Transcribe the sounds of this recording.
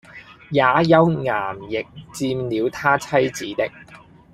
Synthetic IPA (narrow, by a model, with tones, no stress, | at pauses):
jaː˨˧˥jɐ˥wŋaː˨˩mjɪ˨k̚t͡siː˧mnliː˨˧wt̪ʰaː˥t͡sʰɐ˥jt͡siː˨˥t̪ɪ˥k̚